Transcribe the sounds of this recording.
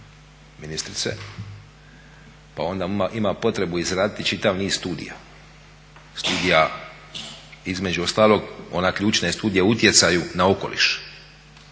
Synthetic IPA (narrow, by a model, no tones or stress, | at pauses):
minist̪ɾit̪se̞̰ | pa̰o̞nd̪aʔimapo̞t̪ɾe̞buizɾaːd̪it̪it͡ʃit̪aʋniːzst̪uːd̪ḭja̰ | st̪uːd̪ija | izme̞d͡ʑuost̪aːlˠo̞ɡo̞̰nakʎuːt͡ʃnest̪uːd̪ijeut̪je̞t̪sajunao̞ko̞lḭʃ